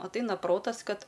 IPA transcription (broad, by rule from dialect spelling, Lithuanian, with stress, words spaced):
ɐtˈɐɪnɐ ˈproːtɐs ˈkɐt